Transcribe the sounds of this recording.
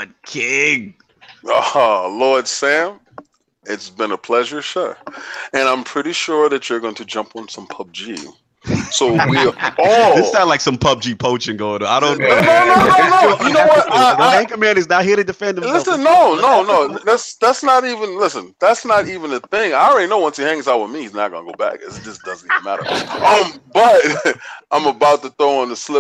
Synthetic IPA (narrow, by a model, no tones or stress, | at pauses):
ʌt̚kʰɪɡ | ʌlɔɹd̥sæ̃m | ɪtsb̥ɨ̃nəpʰl̥ɛʒə˞ʃʌt̚ɨ̃ñãɪ̃mpʰɹ̥ɪɾiʃʊɹðɨt͡ʃə˞ɡoʊɪ̃ŋtʰɨd͡ʒʌ̃mpn̩sʌ̃mpʰʌb̚d͡ʒḭ | soʊwiɔðɪsnatˡlaɪksʌ̃mpʰʌb̚d͡ʒipʰoʊt͡ʃɪ̃ŋɡoʊɪ̃taɪɾõʊ̃nːonoʊnonʊnoʊjɨnowʌtðæ̃ŋkɨ̃mæ̃nɨznaʊɦɪɾɨdɨfɛ̃nd̃lɪsə̃nːoʊnoʊnoʊðætsðætsnəɾivɨ̃nlɪsɨ̃nðætsnəɾivɨ̃nɨθɪ̃ŋaɪɹɛlinoʊwʌ̃nsihæ̃ŋzap̚wəðmihiznət̚ɡ̥ʌ̰nəɡoʊbæ̰kʌ̰zɨð̥ʌsd̥ʌz̃ntiṽnmæ̰ɾə̰˞ʔʌ̃mb̥ʌt̚ãɪ̃məbaʊt̪̚ðɨθoʊə̃nɨslɪp̚